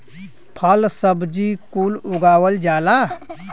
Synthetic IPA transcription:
pʰəlsəbd͡ʒikulʊɡaːwəld͡ʒaːla

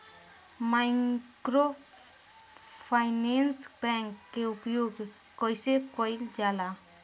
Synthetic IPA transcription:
majkɾo | pʰajnensbɛŋkːeupjoɡ | kɔjsekojld͡ʒjala

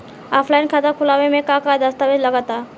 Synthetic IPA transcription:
aːpʰlaːɪnkʰat̪akʰʊlaːʋemẽkakad̪ɐst̪aːʋed͡ʒlɐɡat̪aː

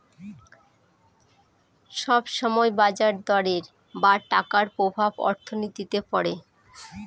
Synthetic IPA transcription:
ʃɔbʃɔmɔebad͡ʑaɾd̪ɔɾeɾ | baʈakaɾpɾobʱabɔ̰ɾt̪ʰonit̪it̪epɔɾe

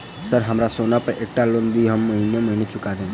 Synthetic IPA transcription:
səɾɦəmɾasonapəɾeːk̚ʈalond̪iɦəmːəɦineməɦinet͡ʃʊkad̪e

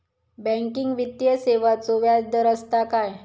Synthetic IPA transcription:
bɛ̃ŋkiŋɡʋit̪jəseʋat͡soʋjad͡zd̪əɾəst̪akaj

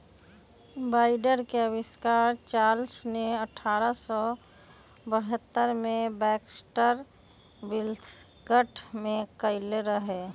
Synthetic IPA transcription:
baːɪɖəɾkeəbɪskaːɾt͡ʃaːlsneəʈʰaːɾəsɔ | bəɦət̪ːəɾmẽbɛːksʈəɾ | bɪlt̪ʰ | ɡəʈʰmẽkəɪleɾəɦeː

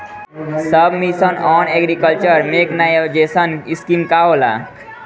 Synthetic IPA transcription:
səbʱmisənɔneɡɾikəlt͡ʃəɾmeknajed͡ʒesəniskimkaola̰

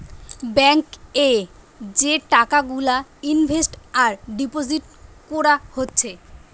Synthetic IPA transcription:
bɛŋke | d͡ʑeʈakaɡulainbʱesʈaɾɖipod͡ʑiʈ̚koɾahotːɕʰe

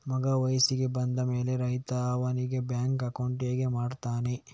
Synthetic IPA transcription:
mɐɡɐʋɐjsiɡe̞bɐnd̪ɐme̞ːleɾɐɦit̪aːʋɐniɡe̞bjaːŋkɐkɐwɳʈieːɡe̞maːɖt̪aːne

